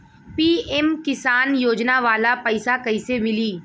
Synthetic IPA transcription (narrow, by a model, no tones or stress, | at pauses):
piːɛmkɪsaːnjoːd͡ʒnaʋaːlapɐɪsakɐisemɪliː